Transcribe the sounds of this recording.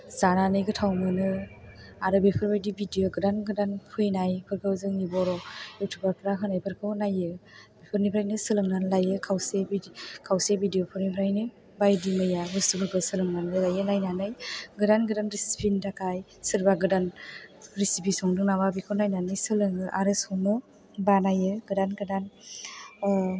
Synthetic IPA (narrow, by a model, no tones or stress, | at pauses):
zananɯjɡɯtʰawmɯnɯ | aɾɯbepʰɯɾbajdibidijoɡɯdanɡɯdanpʰɯjnajpʰɯɾkʰɯwzɯŋibɔɾɔjutʰubaɾpʰɾaɦʰɯnajpʰɯɾkʰɯwnajɯbepʰɯɾnipʰɾajnɯsɯlɯŋnanlajɯkʰawsebikʰawsebidijopʰɯɾnipʰɾajnɯ | bajdimɯjaɦɯstubʰɯɾkʰɯwsɯlɯŋnanɯlajɯnajnanɯjɡɯdanɡɯdanɾisi̥pʰindakʰaj | sɯɾbaɡɯdanɾisipʰisɔŋdɯŋnababikʰɯwnajnanɯjsɯlɯŋɯʔaɾɯsɔŋnɯ | banajɯɡɯdanɡɯdan